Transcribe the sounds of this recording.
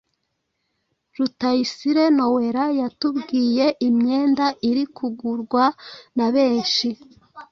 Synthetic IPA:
ɾutajisiɾe̞no̞we̞ɾajatubɡiːje̞ʔimɲe̞ːndaʔiɾikʰuɡuɾɡwanaβe̞ːnʃi

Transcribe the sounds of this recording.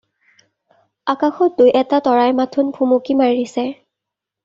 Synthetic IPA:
akaxɔt̚dujʔɛtatɔɹajmatʰunpʰumokimaɹisɛ

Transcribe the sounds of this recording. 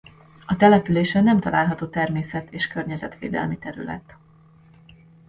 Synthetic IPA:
ɒt̪ɛlɛpyleːʃɛnɛmt̪ɒlaːlɦɒt̪oːt̪ɛrmeːsɛt̪ʰeːʃkørɲɛzɛ̰t̪ʋḛːd̪ɛ̰lmit̪ɛɾy̰lɛ̰t̪

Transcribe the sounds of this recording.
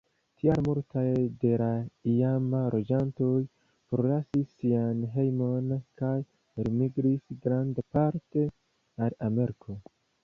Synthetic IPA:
tʰiaɾmultajde̞laiamalʔo̞d͡ʒanto̞j | pɾo̞lasisːianɦe̞jmo̞nkaj | ɾimiɡɾisɡɾandapaɾte̞ | alame̞ɾikʰo̞

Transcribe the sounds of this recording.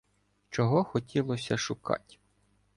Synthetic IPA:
t͡ʃɔɦɔxɔtʲilˠɔsʲɐʃʊkɑ̰tʲ

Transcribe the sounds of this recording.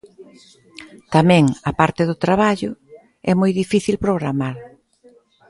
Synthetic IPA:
t̪amɛ̃ŋɐpaɾt̪ɪðʊt̪ɾaβ̞aʎʊ | ɛmojðifiθilpɾoɣɾamaɾ

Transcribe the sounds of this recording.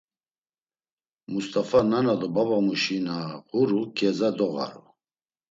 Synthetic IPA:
must̪ʼafananad̪ɔbabamuʃinaʁuɾukʰʼɛzad̪ɔɣa̰ɾṵ

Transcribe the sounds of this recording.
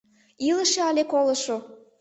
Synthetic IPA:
iləʃeɑlʲekoləʃo

